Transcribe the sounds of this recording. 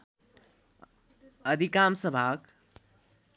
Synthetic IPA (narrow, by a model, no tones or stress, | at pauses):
əd̪ʱikamsəbʱak